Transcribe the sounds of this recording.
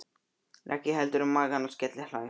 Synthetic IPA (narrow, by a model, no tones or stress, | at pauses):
ɾʔɛ̰hcːɪɦɛlt̪ʏɾʏmːaːɣanɔscɛt̪lɪhlaːɪ